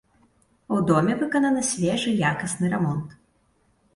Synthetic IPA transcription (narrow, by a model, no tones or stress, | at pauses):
wd̪ɔmʲɛvɨkɐnɐnɨsʲvʲɛʐɨjakɐsnɨɾɛmɔnt̪